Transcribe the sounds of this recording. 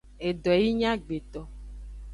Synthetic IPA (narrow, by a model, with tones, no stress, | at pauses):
e˨ɖɔ˨ji˦ɲã˦ɡ͡be˨t̪ɔ˨